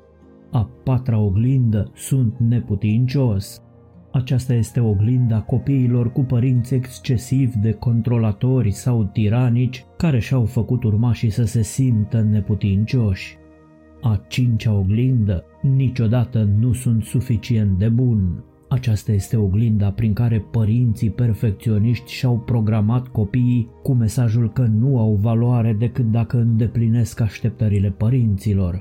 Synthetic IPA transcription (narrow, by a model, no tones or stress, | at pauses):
apat̪ɾaoɡlind̪əsunt̪ne̞put̪int͡ʃo̞sʲ | at͡ʃast̪aje̞st̪e̞o̞ɡlind̪ako̞piːlo̞rkupəɾint̪sʲe̞kst͡ʃe̞sivʲd̪e̞ko̞nt̪ɾo̞lat̪o̞rʲsawt̪iɾanit͡ʃʲkaɾe̞ʃawfəkut̪urmaʃisəse̞simt̪əne̞put̪int͡ʃo̞ʃʲ | at͡ʃint͡ʃaoɡlind̪ə | nit͡ʃo̞d̪at̪ənusunt̪sufit͡ʃie̞nt̪̚d̪e̞bun | at͡ʃast̪aje̞st̪e̞o̞ɡlind̪apɾiŋkaɾe̞pəɾint̪sipe̞rfe̞k̚t̪sio̞niʃt̪ʲʃawpɾo̞ɡɾamat̪ko̞pijikume̞saʒulkənuawvaloaɾe̞d̪e̞kɨt̪̚d̪akəɨnd̪e̞pline̞skaʃt̪e̞p̚t̪əɾile̞pəɾint̪silo̞r